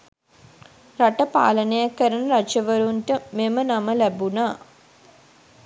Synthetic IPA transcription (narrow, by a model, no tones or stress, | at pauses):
raʈəpa̰ːlənəjakːəɾənəɾat͡ʃəʋəɾunʈəmemənaməlæbunaː